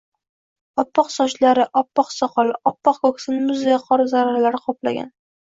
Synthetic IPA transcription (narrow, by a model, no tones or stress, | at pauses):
ɒpːɒqsɒʃlaɾɪʔɒpːɒqsɒqɒlɒpːɒqkʰoksɪnɪmʊzejaqʰɒɾɪzaɾaɾalaɾɪqʰɒpla̰ɡʲa̰n